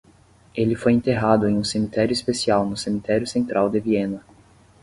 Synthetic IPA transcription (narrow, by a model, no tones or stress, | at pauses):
elɪfojẽnt̪eɦad̪ʊẽj̃ũsemit̪ɛɾjʊispesiawnʊsemit̪ɛɾjʊsẽnt̪ɾʔawd̪ɪviẽnɐ